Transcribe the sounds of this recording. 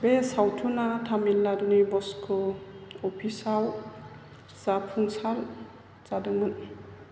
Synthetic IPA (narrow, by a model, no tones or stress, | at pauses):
besawtʰunatʰamilːadunibɔskʰɔɔpʰisaw | sapʰuŋsal | t͡ʃadɯŋmɯn